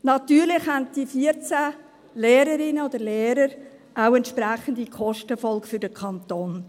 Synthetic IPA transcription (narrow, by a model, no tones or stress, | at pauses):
nɑt̪yːɾlɪχhɛntd̥ifiəɾt͡sæ | lɛːɾəɾɪnəod̥əlɛːɾəɾ | ʔaʊɛntʃpɾæχəndikʰɔʃtəfɔlkfʏɾdəkʰɑntoːn